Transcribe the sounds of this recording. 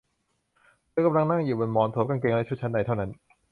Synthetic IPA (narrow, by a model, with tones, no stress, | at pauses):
laː˦˥ka˧mla˧ŋna˥˩ŋjuː˨˩bo˧nmɔː˨˦nt̪ʰoː˨˦mka˧ŋke˧ŋla˦˥˩t͡ɕʰu˥˩t͡ɕʰa˦˥nːda˧jt̪ʰa˥˩wna˦˥n